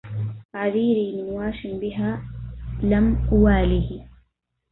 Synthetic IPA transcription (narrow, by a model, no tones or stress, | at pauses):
taʕaðiːɾiːmɪnwaːʃɪnbɪɦaː | lamʔʊwaːlɪhi